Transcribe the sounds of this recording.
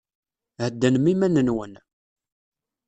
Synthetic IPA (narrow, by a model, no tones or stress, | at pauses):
həd̪ːənmimænənwən